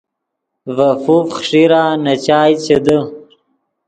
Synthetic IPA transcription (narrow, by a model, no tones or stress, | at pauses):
vafufχʂiɾaːnat͡ɕaːjt͡ɕed̪ə